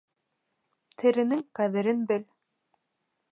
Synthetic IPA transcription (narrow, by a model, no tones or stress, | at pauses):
t̪ʰɘ̆ɾɘ̆nɘŋqæðɘ̆ɾɘnbɘl